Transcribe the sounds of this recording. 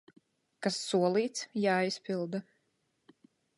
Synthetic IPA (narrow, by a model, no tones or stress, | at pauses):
kasːuɔlˠiːt̪sjaːispilˠd̪a